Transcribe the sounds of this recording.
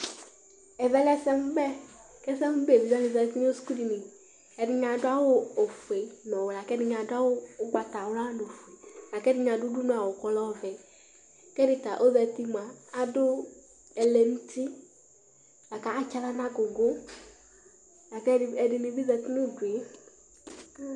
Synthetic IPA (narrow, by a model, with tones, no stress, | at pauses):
ɛ˨vɛ˦lɛ˦sɛ˦m˦bɛ˦ | kɛ˦sɛ˦m˦be˨dɪ˨zɛ˦lɪ˨zɛ˨˦ti˦ɲ˦o˦sku˦di˨nɪ˨ | ɛ˨dɪ˨ɲ˨a˨dʊ˦a˦wʊ˦o˨fu˨e˨nɔ˨wla˨kɛ˦dɪ˨ɲ˨a˨dʊ˦a˦wʊ˦ʊ˦ɡ͡ba˨ta˨wla˦do˨fu˨e˨la˨kɛ˦dɪ˨ɲ˨a˨dʊ˦du˦nʊ˦a˨wʊ˨kɔ˨lɔ˦vɛ˨ | kɛ˦dɪ˨ta˨ʔo˦ðɛ˨ti˦ma˨a˦dʊ˦ | ɛ˨lɛ˨n̩˦ti˦ | la˨ka˨a˦t͡ʃa˨la˦nã˦ɡʊ˨ɡo˦ | la˨kɛ˦˨ɛ˨dɪ˨ni˨bi˦zɛ˨ti˦nʊ˦˨du˨e˨˦